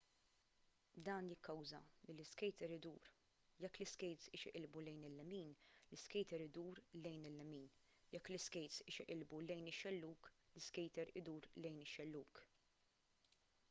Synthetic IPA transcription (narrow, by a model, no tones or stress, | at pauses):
d̪ɐːnjɪkːɐwzɐlɪlɪskɛjt̪ɛɾɪd̪uːɾ | jɛkːlɪskɛjt̪sɪːʃɪʔɪlbulɛjnɪlːɛmiːnlɪskɛjt̪ɛɾɪd̪uːɾlɛjnɪlːɛmiːn | jɛkːlɪskɛjt̪sɪːʃɪʔɪlbulɛjnɪʃːɛlːuːklɪskɛjt̪ɛɾɪd̪uːɾlɛjnɪʃːɛlːuːk